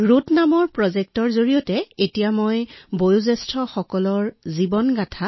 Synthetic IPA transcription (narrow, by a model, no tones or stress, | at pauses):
ɹutnamɔɹpɹɔzek̚tɔɹzoɹijɔtɛetijamojbojuzɛstʰɹɔxɔkɔlɔɹzibɔnɡatʰa